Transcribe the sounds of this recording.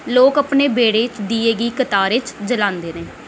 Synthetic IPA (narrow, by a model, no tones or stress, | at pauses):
loːkəpneːbeːɽeːt͡ʃd̪iːeːɡiːkət̪aːɾɪt͡ʃd͡ʒəlãːnd̪eːnẽː